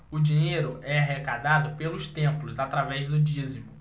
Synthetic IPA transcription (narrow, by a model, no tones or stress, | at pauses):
ʊd͡ʒĩɲejɾʊʔɛaɦekad̪ad̪ʊpelʊst̪ẽmplʊzat̪ɾavɛzd̪ʊd͡ʒizimʊ